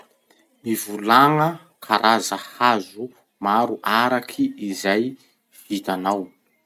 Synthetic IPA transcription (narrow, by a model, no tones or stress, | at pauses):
mivulaŋə | kʰaɾʔazəhazu | maɾuʔaɾakʰiːzaj | v̥it̪anaw